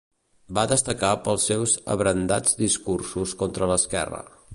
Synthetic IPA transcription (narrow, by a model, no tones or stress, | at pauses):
baðəst̪əkapəlˠsːewzə̰βɾənd̪ad͡zd̪iskursuskɔnt̪ɾələskɛ̰rə̰